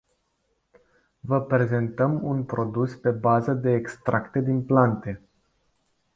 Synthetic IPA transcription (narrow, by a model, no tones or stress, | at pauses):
vəpɾe̞ze̞nt̪əmunpɾo̞d̪uspe̞bazəd̪e̞ːkst̪ɾʔakt̪e̞d̪inplant̪e̞